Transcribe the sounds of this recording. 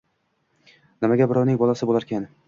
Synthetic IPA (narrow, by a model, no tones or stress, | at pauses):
nɪmaɡʲabɪɾɒwnɪŋʲbɒlasɪbolaɾkʲʰan